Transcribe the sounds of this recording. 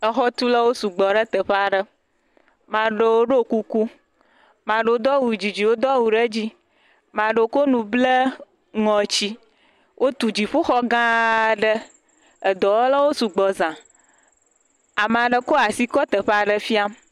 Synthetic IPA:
ə˨xɔ˦t̪u˦lə˦wo˦su˨ɡ͡bɔ˨ɖə˦t̪ə˨ɸa˨ɖə˦ | mã˨ɖə˦wo˦ɖo˦ku˦ku˦ | mã˨ɖə˦o˦d̪ɔ˦wu˨d͡ʑi˨d͡ʑi˨wo˦d̪ɔ˦wu˨ɖə˦d͡ʑi˦ | mã˨ɖə˨˦ko˦nũ˨blə˦ | ŋɔ̃˨t͡ɕi˦ | wʔo˦t̪u˨d͡ʑi˨ɸu˦xɔ˦ɡã˦ɖə˦ | ə˨d̪ɔ˨wo˦lə˦wo˦su˨ɡ͡bɔ˨zã˨ | a˨m˨a˨ɖə˦ko˦a˨si˦kɔ˦t̪ə˨ɸa˨ɖə˦fi˦a˦m

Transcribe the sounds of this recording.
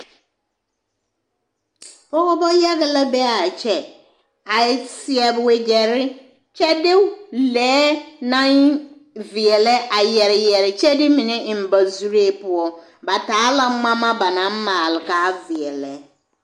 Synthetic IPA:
bɔ˦kɔ˦bɔ˦ja˦ɡɪ˨la˦bɛ˦a˨t͡ʃʰɛ˨ | a˨ɪ˨˦si˦ɛ˨bwe˨d͡ʒɛ˨ɾɪ˦ | t͡ʃʰɛ˦dɪ˦wlɛː˨˦nã˦n˦ | vi˨ɛ˨lɛ˦ʔa˨jɛ˨ɾɪ˨jɛ˨ɾɪ˨t͡ʃʰɛ˦dɪ˦mɪ̃˨nɪ̃˦ʔm̩˨ba˨zu˦ɾe˦˨pʊ˨ɔ˦ | ba˨taː˨˦la˦mã˦mã˦ba˨nã˨˦m̩˦mã˨lɪ˨ka˨˦vi˨ɛ˨lɛ˦

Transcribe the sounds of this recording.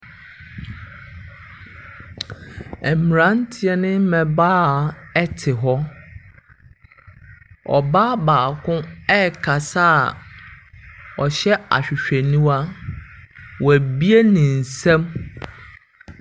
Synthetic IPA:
ɛ˨mi˨ɾã˦n˦tʰɪ˨ɛ˨nɪ̃˦mɛ̃˨baː˦˨ɛ˦tʰɪ˨ɦɔ˦ | ɔ̰˨baː˦baː˨kʰʊ̃˦ɛ˦˨kʰa˨sa˦˨ | ɔ˨ɕɛ˦a̰˨ɕᶣɪ˨ɕᶣe˨nũ˦a˦ | wɔ˨æ˨bi˦e˦nɪ̃˨n̩˨sɛ̃˦m

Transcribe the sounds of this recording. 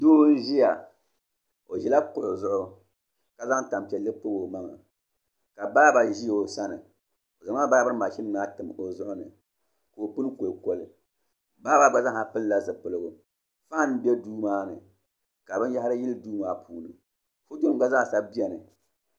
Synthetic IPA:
doː˦n̩˦ʒi˦ja˨ | o˨ʒi˦la˦ko˨lzʊ˦ʔʊ˦ | ka˨za˦ŋ˦ta˨m˨pɛ˨lːɨ˦pɨ˦bo˨ma˦ŋa̰˨ | ka˨baː˦ba˨ʒi˦jo˨sa˦nɨ˨ | o˨za˨ma˦ba˦bɨ˦ɾɨ˦ma˨ʃi˦n˦na˦tɨ˨mo˨zʊ˦ʔʊ˦nɨ̰˨ | ko˨o˨pɨ˦n˦ko˨lko˨lɨ˨ | baː˦ba˨ɡ͡ba˦za˦ŋa˨pɨ˦lla˦zɨ˨pɨ˨lɨ˨ɡʊ˨ | fa˦n˦bɛ˦duː˦maː˦nɨ˨ | ka˨bɨ˦n˦ja˦ha˦ɾɨ˦ji˦lɨ˦duː˦ma˦˨pʰuː˨nɨ˨ | fu˦to˦ɡa˦za˦ŋ˨sa˦bi˦ɛ˨nɨ˨

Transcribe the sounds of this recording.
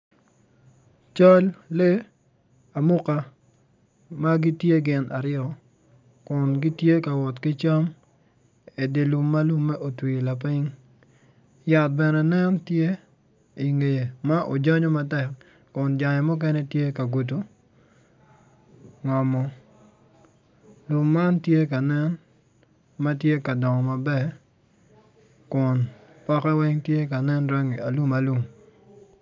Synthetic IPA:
t͡ʃɔ˦lːe˦ | a˨mʊ˦ka˦ | ma˦ɡɪ˦tje˦ɡɪ˨nʔa˨ɾɪ˦ɾɔ˨ | kʊ˨nɡɪ˦tje˦ka˨wɔ˨tkɪ˦t͡ʃa˦m | e˨de˨lu˨mːa˦lu˦mːɛ˦ʔo˨twi˨la˨p̬ɪ˦ŋ | ja˨t̚bɛ˨nɛ˨nɛ˦ntje˦ | i˨ŋe˨je˨ma˦ʔo̰˨d͡ʒɔ˦ɲɔ˦ma˦tɛ˨k | kʊ˨nd͡ʒa˨ɲɛ˨mʊ˦k̬ɛ˦nɛ˦tje˦ka˨ɡu˨t̬u˦ | ŋɔ˨mɔ˦ | lu˨mːa˦ntje˦ka˨nɛ˦n | ma˦t̬je˦ka˨dɔ˨ŋɔ˨ma˨bɛ˦ | kʊ˨n | pɔ˦kɛ˦wɛ˦ŋtje˦ka˨nɛ˦nɾɛ˦ŋi˨a˨lu˦ma˨lu˦˨m

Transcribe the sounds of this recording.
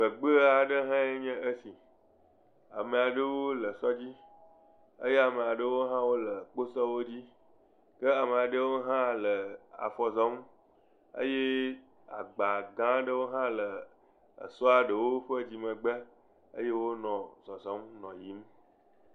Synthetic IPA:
ɡ͡bə˨ɡ͡bə˦a˨ɖə˦ɦã˦e˦ɲɛ̃˦ʔə˦si˨ | a̰˨mẽ˨a˨ɖə˦wo˦lə˨sɔ˦d͡ʑi˦ | ə̰˦je˦a˨mẽ˨a˨ɖə˦wo˦ɦã˦wo˦lə˨k͡po˦sɔ˦wo˦d͡ʑi˦ | kə˦a˨mẽ˨a˨ɖə˦wo˦ɦã˦lə˨a̰˨fɔ˨zɔ˦m | ə̰˦je˦ | a̰˨ɡ͡ba˨ɡã˦ɖə˦wo˦ɦã˦lə˨ | ə̰˨sɔ˦a˨ɖə˨wo˦ɸə˦d͡ʑi˨mə̃˨ɡ͡bə˦ | ə̰˦je˦wo˦nɔ̃˨zɔ˨zɔ˨˦mnɔ̃˨ji˨˦m

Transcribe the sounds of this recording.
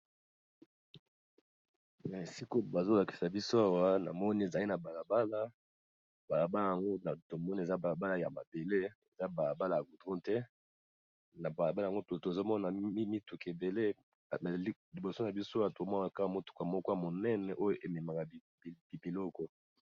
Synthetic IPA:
ja˨e˨si˦ko˦ba˨zo˦la˨ki˨sa˨bi˦so˦a˦wa˦na̰˨mɔ˦ni˦e˨za˨li˦na˨ba˨la˨ba˦la˦˨ | ba˨la˨ba˦la˨ja˨ŋɡo˦na˨to˨mɔ˦ni˦e˨za˦ba˨la˨ba˦la˨ja̰˨ma˨be˨le˦e˨za˦ba˨la˨ba˦la˨ja˨ɡu˨dʁɔ̃˦tɛ˦ | na˨ba˨la˨ba˦lŋɡo˦to˨to˨e˨zo˦mɔ˦na˨˦mi˦tu˨ke˨be˨le˦˨˦ | li˨bo˨so˦na˨bi˦so˦a˨to˨˦mɔ˦n˨a˨ka˦a˨mo˦tu̥˨ka˨mɔ˦kɔ˦a˦˨mo˨nɛ˦nɛ˨ʔo˦jo˦ʔe˨mɛ˨ma˨ka˨ | bi˨bi˨lɔ˦kɔ˦

